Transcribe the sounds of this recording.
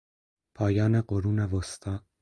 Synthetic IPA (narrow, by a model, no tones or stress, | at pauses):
pʰɒːjɑːneqoɾunɛvost̪ʰɑː